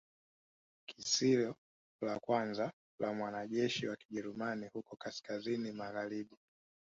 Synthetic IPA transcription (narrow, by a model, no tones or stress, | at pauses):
kisilɔ | lakwanza | lamwanaʄɛʃiwaki̥ʄɛɾumanihukɔkaskazinimaɣaliɗi